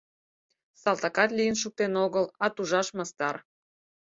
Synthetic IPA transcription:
sɑlˠt̪ɑkɑt̪lijənʃuk̚t̪enoɣəlɑt̪uʒɑʃmɑst̪ɑr

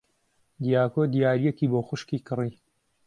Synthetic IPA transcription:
d̪jaːkoːd̪ijaːɾijekiːboːxʊʃkiːkɨriː

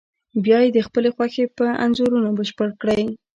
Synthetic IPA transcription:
bjɑjed̪əxpəlexwaxepəa̰nzoɾunobəʃpəɽkɽəj

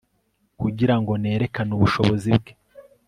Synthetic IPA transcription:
kuɟiɾaŋɡo̞ne̞ːɾe̞kanuβuʃo̞βo̞zib̚ɡe

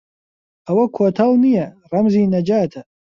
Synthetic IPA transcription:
ʔɐwɐkʰoːt̪ʰɐlˠnijɐ | rˤɐmziːnɐd͡ʒaːt̪ʰɐ

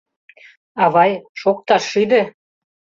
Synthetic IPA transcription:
ɑβɑjʃok̚t̪ɑʃid̪e

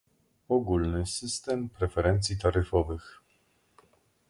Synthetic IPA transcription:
ɔɡulnɘsɘst̪ɛmpɾɛfɛɾɛnt̪sʲjit̪aɾɘfɔvɘx

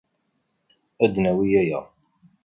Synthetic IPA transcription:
æd̪næwijæjæ̰

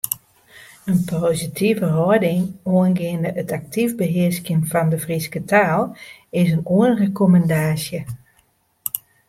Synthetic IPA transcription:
ənpʰoːzitʰivəɦɔədɪŋoənɡɪəndəʔətak̚tʰivbəɦɪəskjənvɔndəvriskətʰaːlˠɪsənoənrəkoməndaːsjə

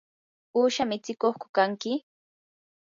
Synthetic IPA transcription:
uːʃamɪt͡sɪkoχkʊ̥kaŋkɪ

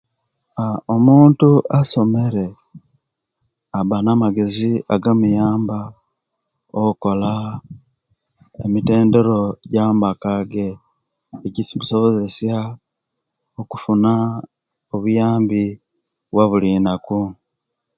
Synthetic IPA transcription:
aomuːntuʔaso̞me̞ɾe̞ | aβanamaɡe̞ziaɡamujaːmba | oko̞la | emite̞ːnde̞ɾo̞ɟambakaɡe̞ː | cisimuso̞βo̞ze̞sja | oku̥funa | oβujaːmbi | βwaβulinaku

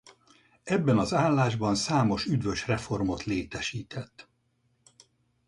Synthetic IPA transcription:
ɛbːɛnɒzaːlːaːʒbɒnsaːmo̞ʃyd̪ʋø̞ʃrɛfo̞rmo̞t̪leːt̪ɛʃiːt̪ʰɛt̪ː

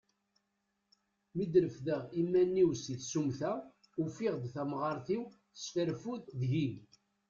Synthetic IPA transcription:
mid̪ɾəfðəʁimːænːiwsiθsumθæ | ufiɪʁd̪θæmʁɑɾˤθiw | θə̥sfəɾfuððʝin

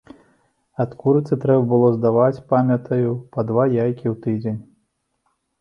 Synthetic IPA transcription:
at̪kuɾɨt̪sɨt̪ɾɛbɐbɨlˠɔzd̪avat͡sʲpamʲɐt̪ʰɐjupɐd̪vajajkʲiwt̪ɨd͡zʲenʲ

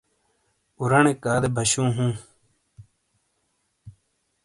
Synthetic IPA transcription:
uɾɐɳekaːd̪ebʱɐɕũːɦũː

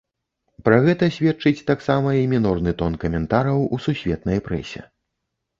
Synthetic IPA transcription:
pɾɐɣɛt̪ɐsʲvʲɛt͡ʂɨt͡sʲt̪aksamɐjɐmʲinɔrnɨt̪ɔnkɐmʲɛnt̪aɾɐwususʲvʲɛt̪nɐjpɾɛ̰sʲɛ̰

